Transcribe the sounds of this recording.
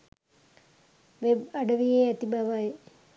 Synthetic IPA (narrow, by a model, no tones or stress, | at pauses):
ʋebaɖɐʋijeæt̪ibaʋaj